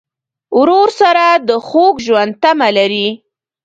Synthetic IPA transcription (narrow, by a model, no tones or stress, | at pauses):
wɾoɾsaɾad̪əxoɡʒwand̪̚t̪amalaɾi